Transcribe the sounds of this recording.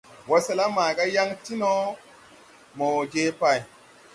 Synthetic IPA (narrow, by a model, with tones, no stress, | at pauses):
wa˨˦sa˦la˦ma˨ɡa˦ja˦ŋti˦no˦ | mo˨d͡ʒe˦pa˦˨j